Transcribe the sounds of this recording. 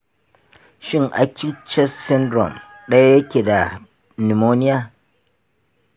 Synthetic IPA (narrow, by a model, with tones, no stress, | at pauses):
ʃɪ˦ŋʔa̰˨kʲɪ˦t͡ʃɛ˦sɪ˦ndɾɔ̰˨m | ɗɐ˦ja˦jɐ˦kʲeː˨da˨ | ni˨moː˦nɪ˦jaː˦